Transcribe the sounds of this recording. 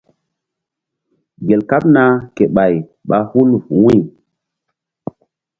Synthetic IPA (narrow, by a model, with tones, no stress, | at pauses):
ɡe˨lka˦pna˦ke˨ɓa˨jɓa˨hu˦lvu˨wi˦˨